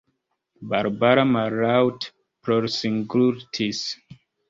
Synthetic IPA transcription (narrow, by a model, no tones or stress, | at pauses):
baɾbaɾamaɾawt | pɾoɾsiŋɡluɾtʰis